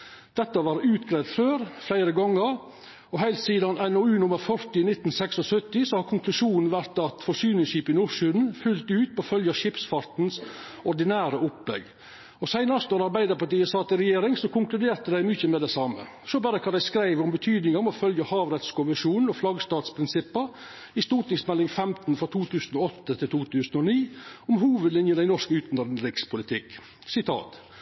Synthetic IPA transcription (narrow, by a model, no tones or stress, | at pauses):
d̪̥ɛt̪ːəʋɑːɾʉːt̪ɡɾeːd̪føːɾflæɪɾəɡɔŋːəɾ | ɔɦæɪlt̪siːd̪ɑnɛnɔʉːnʊmːəɾfœɾt̪ɪnɪt̪ːn̩sɛksɔsœt̪ːɪsɔhɑɾkʰʊŋklʉʂuːnn̩ʋæɾt̪ɑt̪fɔʂyːnɪŋʂiːpɪnʊɾʂʉːd̪n̩fʉlt̪ʉːt̪̚pɔfœljəʂɪpsfɑɾt̪nsɔɾɖ̪ɪnæːɾəʔʊplɛ̰ɡ | ɔsæɪnɑɾsɔɾɑɾbæɪd̪əɾpɑʈ̪iːəsɑt̪əɾɛjeːɾɪŋsɔkʊŋklʉd̪eːɾt̪əd̪æɪmyçəmɛd̪ɛsɑmə̰ | sɔbɑːɾəkʰɑnd̪æɪskɾæɪʋʊmbət̪ʰyːd̪nɪŋɑmɔfœljəhɑːʋɾɛt̪skʊʋəʂuːnn̩ɔflɑɡst̪ɑːt̪spʰɾɪnsɪpːəɾ | ɪst̪uːʈ̪nɪŋsmɛlːɪŋfɛmt̪n̩fɾɑt̪ʰuːt̪ʰʉːsn̩ɔɔt̪ːət̪ʰɪlt̪ʰuːt̪ʰʉːsn̩ɔniːɔmɦuːʋəd̪lɪnjəd̪æɪnɔʂkəʉːt̪nd̪ədn̩ɾɪkspʰʊlɪt̪ʰɪk | sɪt̪ʰɑ̰ːt̪